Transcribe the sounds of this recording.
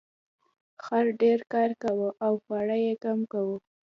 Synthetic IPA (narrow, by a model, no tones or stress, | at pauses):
xaɾɖeɾkɑɾkawəʔawxɑɽajekamkawə